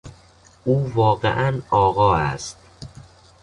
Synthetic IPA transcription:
uːvɒːɣḛʔænɒːɣɒːæ̰st̪

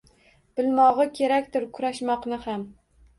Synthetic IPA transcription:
b̥ɪlmɒʁɨkʲʰe̞ɾakʲt̪ɪɾkʰʊɾaʃmɒqnɪham

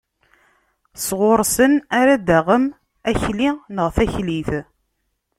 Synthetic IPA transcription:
sʁʊɾsənaɾad̪æʁəm | æçlinəʁθæçliθ

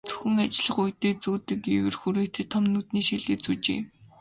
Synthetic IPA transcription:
t͡sɵ̥xɘ̆ŋat͡ɕɮə̆χujt̪eːt͡suːt̪ɘ̆kiwɘ̆rxuɾeːt̪ĕt̪ʰɔmnut̪niːʃiɮeːt͡sut͡ɕḛː

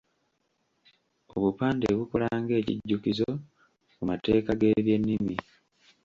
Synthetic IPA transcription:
o̞βupaːndḛβukolaːŋɡe̞ːcḭɟːukizo | kumate̞ːkaɡe̞βje̞nːimi

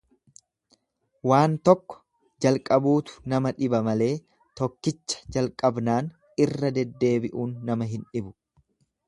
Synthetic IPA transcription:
waːnt̪ɔkːɔ̥ | d͡ʒɐlkʼɐbuːt̪ʊ̥nɐmɐᶑɪbɐmɐle̞ː | t̪ɔkːɪt͡ʃːɐ̥d͡ʒɐlkʼɐbnaːn | ɪrːɐd̪ɛd̪ːe̞ːbɪʔuːnːɐmɐɦɪnᶑɪbʊ̥

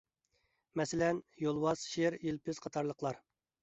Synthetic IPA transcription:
mɛsɪlɛnjolˠwɑz̥ʃeɾilpʰɪzqʰɑt̪ʰɑɾlˠəqlˠɑɾ

